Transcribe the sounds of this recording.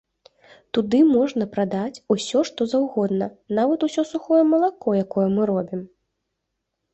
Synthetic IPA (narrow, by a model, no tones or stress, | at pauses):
t̪ud̪ɨmɔʐnɐpɾad̪at͡sʲusʲɔʂt̪ɔzawɣɔd̪nɐnavɐt̪usʲɔsuxɔjɛmɐlˠakɔjakɔjɐmɨɾɔbʲim